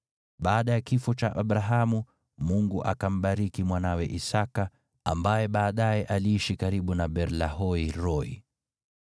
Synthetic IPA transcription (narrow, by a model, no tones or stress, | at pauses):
ɓaːɗajakifɔt͡ʃaʔaɓɾaɦamu | muŋɡuʔakam̩ɓaɾikimwanawɛʔisaka | ambajɛɓaːɗajɛʔaliiʃikaɾiɓunaɓɛɾlaɦɔiɾɔḭ